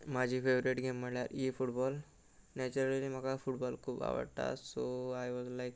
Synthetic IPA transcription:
mad͡ʑʱiːfeʋɾiʈɡemːəɽɭjaɾifuʈbɔːl | nɛt͡ʃuɾəlliməɡafuʈbɔlkʰuːba̰ʋə̰ɽt̪a̰soajʋɔzlajk̚

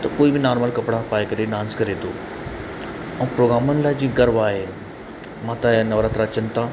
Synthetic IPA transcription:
t̪ɐkoːibɪnaːɾməlkɐpɽapaːjkɐɾeɖãːnskɐɾet̪ʰoː | ɛ̃ːpɾoːɡɾaːmʊnɪlaːɪd͡ʑĩːɡɐɾʋaːɦe | mãt̪ãnɐʋɾaːt̪ɾaɐt͡ɕənɪ̆t̪ʰaː

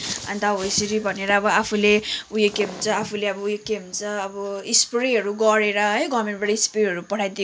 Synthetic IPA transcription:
ʌ̰nt̪awʌjsiɾibʱʌneɾʌːbʌapʰuleujekeɦunt͡sʌapʰuleʌbʌujekeɦunt͡sʌːbʌispreɦʌɾuɡʌɾeɾʌɦʌjɡʌmeɳʈbaɽʌispreɦʌɾupʌʈʰajd̪e

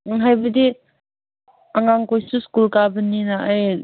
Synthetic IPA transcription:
ɦajbɐdi | aŋaŋkojsuskulkabəninaʔːj

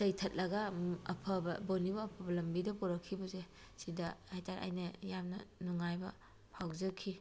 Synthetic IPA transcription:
zɐjtʰɐt̚lɐɡɐɐpʰɐbɐbonibɐːpʰɐbɐlɐmbidɐpuɾɐkʰːibɐze | sidɐhajtʰaɾ̰ʔa̰jnɐjamnɐ̰nuŋajbɐ̰ | pʰawzɐkʰːi

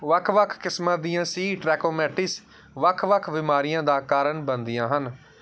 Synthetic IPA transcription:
ʋəkʰʋəkʰkɪsmãːd̪ijãːsiːʈɾɛːkoːmɛːʈɪs | ʋəkʰʋəkʰbɪmaːɾɪjãːd̪aːkaːɾəɳbənd̪ɪjãːɦən

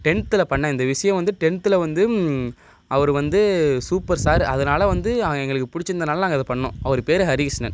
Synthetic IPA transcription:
ʈɛɳt̪ɯlɐpɐɳːɐɪnd̪ɐʋɪʂɐjɐ̃ʋɐnd̪ɯʈɛɳt̪ɯlɐʋɐnd̪ɯ | ɐʋɐɾɯʋɐnd̪ɯsuːpɐɾsaːɾɐðɐnaːlɐʋɐnd̪ɯɐɐɛŋɡɐɭɯkːɯpʊɽɪt͡ʃːɪnd̪ɐnaːllaːŋɡɐɪðɐpɐɳːʊ̰̃ːʔɐʋɐɾɯpeːɾɐɦɐɾɪɣɪsnɐ̰n

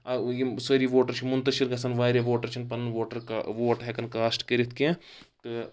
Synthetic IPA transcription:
ɐjisɐɾiʋoːʈɐɾt͡ʃʰimunt̪ɐʃiɾɡɐsɐnʋaːɾʲeʋoːʈɐɾt͡ʃʰinpɐnnʋoːʈɐɾkaʋoːʈɦekɐnkaːsʈkɐɾit̪ʰkẽt̪ɨ

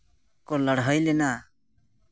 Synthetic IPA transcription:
koləɽɦəjlenaː

